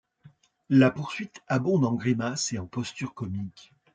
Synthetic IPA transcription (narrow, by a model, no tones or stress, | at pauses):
lapuʁsɥit̪abɔ̃d̪ɑ̃ɡʁimaseɑ̃pɔst̪yʁkɔmik